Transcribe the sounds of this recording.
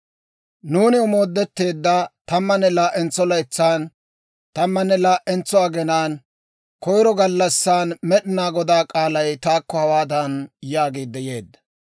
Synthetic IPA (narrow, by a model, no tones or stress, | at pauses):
nuːnɪʊmo̞ːd̪ːɛt̪ːe̞ːd̪ːɐt̪ɐmːɐnːɛlaːʔɛnt͡sːɔlɐjt͡sːaːn | t̪ɐmːɐnːɛlaːʔɛnt͡sːɔaɡɛnaːn | kɔjɾɔɡɐlːɐsːaːnmɛɗɪnaːɡɔd̪aːkʼaːlɐjt̪aːkːɔhɐwaːd̪ɐnjaːɡeːd̪ːɛjeːd̪ːɐ̥